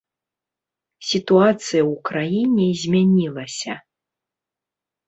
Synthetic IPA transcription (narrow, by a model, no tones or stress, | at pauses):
sʲit̪uat̪sɨjɐwukɾajinʲɛzʲmʲanʲilˠɐsʲɐ